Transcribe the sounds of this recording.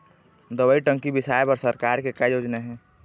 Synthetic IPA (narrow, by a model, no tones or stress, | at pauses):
d̪əbəiʈə̃ŋkibɪsaːepɐɾsəɾkaːɾkekajoːd͡ʒnaɦɛ̃ː